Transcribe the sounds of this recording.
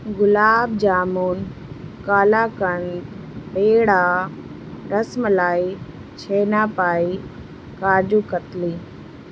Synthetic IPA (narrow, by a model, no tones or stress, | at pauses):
ɡʊlaːb̚d͡ʑaːmoːnkaːlaːkəɳ̃ | ɗeːɽaː | ɾɐsmlaːi | t͡ɕʰeːnaːpaːi | kaːɾd͡ʑuːkət̪liː